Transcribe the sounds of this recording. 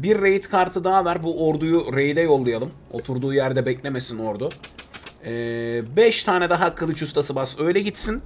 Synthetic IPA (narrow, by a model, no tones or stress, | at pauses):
biɾːejit̪kʰaɾt̪ʰɯd̪aavæɾbuʔoɾd̪ujuɾe̞jd̪ɛjo̞lˠːajalˠɯm | o̞̰t̪ʰuɾd̪uːjæɾd̪ɛbɛclʲemesino̞ɾd̪u | ɛːbɛʃt̪ʰaːnɛd̪aɦakʰːɯlˠɯt͡ʃʰust̪ʰasɯbasø̞jlʲɛɟit̪sin